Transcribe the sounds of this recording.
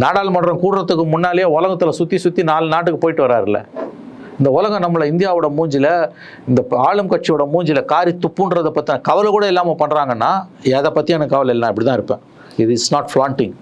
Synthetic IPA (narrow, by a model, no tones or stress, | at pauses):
naːɽaːlmɐɳːɾɐ̃kuːɽɪɾɐt̪ːɯkːɯmʊnːaːlɪjeʊlɐɣɐt̪ːɯlɐsʊt̪ːisʊt̪ːinaːlɯnaːʈ̬ːɯkːɯpoːjɪʈːɯʋɐɾaːɾɪlːɐ̰ | ɪnd̪ɐʊlɐɣɐ̃nɐmːɯɭɐɪnd̪ɪjaːʋɔɽɐmuːɲd͡ʒɪlɐ | ɪnd̪ɐaːɭɯmkɐʈ̚t͡ʃijoːɽɐmuːɲd͡ʒɪlɐkaːɾit̪ːʊpːɯnɖɾɐðɐpːɐt̪ːɪnãkɐʋɐlkuːɽɐɛlːaːmɐpɐɳːɾaːŋɡɐnːaːɛːðɐpːɐt̪ːɪjanɐkːkɐʋɐlɪlːãːɪpɐɽɪt̪ãːɪɾɯpːḛ̃ː | ɪɾɪsnaːʈfɾaːɳʈɪŋɡ